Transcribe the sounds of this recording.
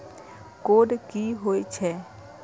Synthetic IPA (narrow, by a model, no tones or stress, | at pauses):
koːɖkiɦoːet͡ʃʰɛː